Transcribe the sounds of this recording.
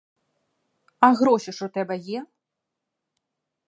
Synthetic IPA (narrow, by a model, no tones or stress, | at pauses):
ɐɣɾɔɕʲiʂɔt̪ɛbɐjɛ